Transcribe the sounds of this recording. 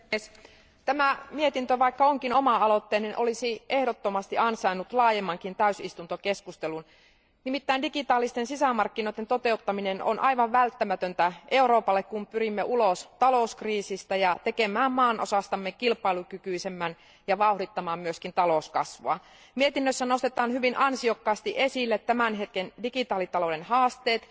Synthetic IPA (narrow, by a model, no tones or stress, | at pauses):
s | t̪æmæmiet̪int̪øʋɑikːɑoŋkinomɑɑlot̪ːeːninʔolisiʔehɾot̪ːomɑst̪iʔɑnsɑinut̪lɑːjemːɑŋkint̪æysist̪unt̪okeskust̪elun | nimit̪ːæindikit̪ɑːlːˑist̪ensisæmɑrkːinoit̪ent̪ot̪e̞ut̪ːɑmineno̰nʔɑiʋɑʋʋælt̪ːæmæt̪ønt̪æʔe̞uɾo̞ːpɑlːekkumpyɾimːeʔulost̪ɑlouskriːsist̪æjɑt̪ekemæːmmɑːnʔosɑst̪ɑmːekilpˑɑilukykyisemːæn | jɑʋɑuhɾit̪ːɑmɑːmmyøskint̪ɑloskɑ̰sʋoɑ̰ | miet̪inːøsːæno̞st̪et̪ɑːnhyʋinʔɑnsiokːɑːst̪iʔe̞silːet̪tæmænɦet̪kendikit̪ɑːlit̪ɑlodenhɑːst̪eːt̪